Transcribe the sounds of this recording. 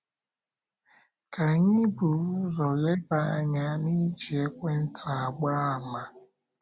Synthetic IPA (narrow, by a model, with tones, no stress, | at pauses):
ka˨ɲi˦bu˨˦zɔ˨le˦ba˦a˦ɲa˦ni˦d͡ʒi˨e˦kʷe˦n̩˦tʰa˨a˨ɡ͡ba˦˨ma˨